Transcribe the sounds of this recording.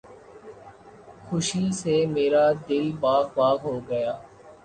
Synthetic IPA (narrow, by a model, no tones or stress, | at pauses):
xʊʃiːseːmeːɾaːd̪ɪlbaːkbaːkɦoːɡəjaː